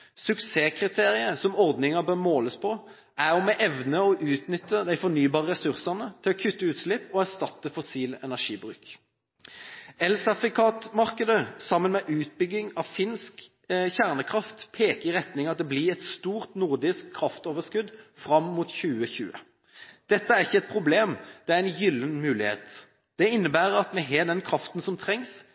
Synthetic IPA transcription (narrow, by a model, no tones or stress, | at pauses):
sʉkseːkʰʁɪt̪ʰeːʁɪəsɔmɔʁd̪nɪŋəbøʁmoːləspʰɔ | ʔæʁɔmɛʔɛʋnəɔʔʉːt̪nʏt̪ːəd̪æɪfɔnyːbɑːʁəʁɛsʉʁsɑnət̪ʰɪlɔkʰʉt̪ːəʉːt̪slɪpːɔæʁst̪ɑt̪ːəfɔsiːlɛnæʂiːbʁʉ̰ːk | ɛlsɑfɪkʰɑːt̪mɑʁkəd̪əsɑmːənmɛʔʉːt̪̚bʏɡɪŋɑʋfɪnsk | çæʁnəkʰʁɑft̪pʰeːkəɪʁɛt̪nɪŋɑt̪̚d̪ɛblɪɛt̪st̪uːʁt̪nʊʁd̪ɪskʰːʁɑft̪oːʋəskʉd̪fʁɑmːuːt̪çʉːəçʉ̰ːə̰ | d̪̥ɛt̪ːəæʁɪçːəɛt̪̚pʰʁʊbleːmd̪̥ɛæɾɛnjʏlːənmʉːlɪhḛːt̪ | d̪̥ɛɪnːəbæːʁɑt̪mɛɦeːd̪ɛnkʰɾɑft̪n̩sɔmt̪ʰɾɛŋs